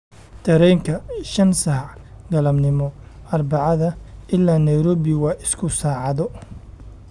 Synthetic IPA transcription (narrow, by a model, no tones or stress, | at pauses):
t̪ʰɐɾɛjŋkʰɐʃɐnsɐħʕ | ɡɐlɐmnɪmɔ | ʔɐrbɑʕɑðɐɪlːaːnɐjɾɔːβɪwɑːʔɪskʰʊsaːʕɑðɔ